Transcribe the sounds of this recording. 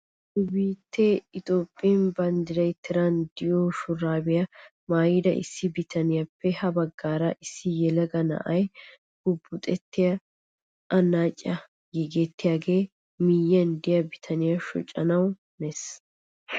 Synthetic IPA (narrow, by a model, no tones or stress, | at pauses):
sʊbiːt̪ʰːeɪt̪ʼo̞ːpʼːɪnbɐnd̪ɪɾɐjt̪ʰːɪɾɐnd̪ɪjoːʃʊraːbɪjɐ | maːjɪd̪ɐʔɪ̰sːɪbɪt̪ʰɐnɪjapːɛhɐbɐɡːaːɾɐʔɪsːɪjɛlɐɡɐnɐ̰ʔɐj | ɡ̥ʊbːʊt̪ʼɛt̪ːɪjɐ | ʔɐnːaːt͡ʃʼːɐ | jɛɡɛt̪ːɪjaːɡeː | mɪjːɐnd̪ɪjɐbɪt̪ʰɐnɪjaʃɔ̰t͡ʃʼːɐnɐw | nɛs